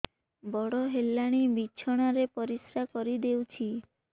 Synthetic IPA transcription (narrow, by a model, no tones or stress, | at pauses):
bɔɽɔɦelːaɽ̃imit͡ʃʰɔɽ̃aɾepɔɾisɾakɔɾid̪ewt͡ʃʰi